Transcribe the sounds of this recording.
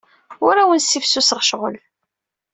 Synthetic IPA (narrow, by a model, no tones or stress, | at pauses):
ʊɾawənsifsusəʁʃʁə̰l